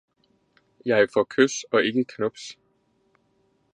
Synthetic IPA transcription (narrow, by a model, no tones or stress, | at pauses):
jɑ̈ɪfɒkʰøsɒ̽e̝ɡ̥əkʰnɔb̥s